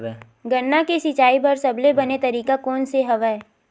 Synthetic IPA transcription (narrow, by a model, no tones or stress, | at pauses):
ɡɐnːakesɪt͡ʃaːibɐɾsɐblebɐnet̪ɐɾiːkakɔːnseɦɐʋɛ